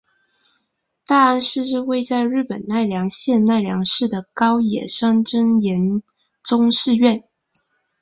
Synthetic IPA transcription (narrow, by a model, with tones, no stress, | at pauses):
t̪a˥˩a˥nʂɻ̩˥˧ʂɻ̩˥˧we˥˧ɪt͡sa˥˧ɪɻɻ̩˥˩pə˨˩nna˥˩ɪljɑ˧˥ŋɕjɛ˥˧nna˥˩ɪljɑ˧˥ŋʂɻ̩˥˩d̪ə˩kɑ˥ʊjɛ̰˨˩ʂɑ˥ŋʈ͡ʂə˥njɛ˧˥n | ʈ͡ʂʊ˥ŋʂɻ̩˥˧ɥɛ˥˩n